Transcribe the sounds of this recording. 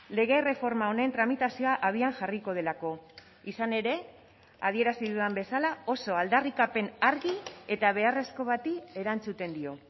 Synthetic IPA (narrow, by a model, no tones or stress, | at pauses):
le̞ɣ̞e̞re̞fo̞ɾmao̞nent̪ɾamit̪asioaʔaðiaŋʝariko̞ð̞e̞lako̞ | isane̞ɾe̞ | að̞ie̞ɾasiðuambe̞salao̞so̞ald̪arikape̞naɾɣie̞t̪aβ̞e̞are̞sko̞βat̪ie̞ɾant͡sut̪e̞nd̪io̞